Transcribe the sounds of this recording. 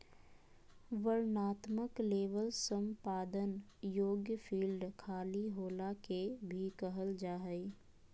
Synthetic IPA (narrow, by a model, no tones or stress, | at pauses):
ʋəɾnaːt̪məkleːʋəlsə̃mpaːd̪ən | joːɡjəpʰiːlɖkʰaːliɦoːlakebʱikəɦəld͡ʒaːɦəi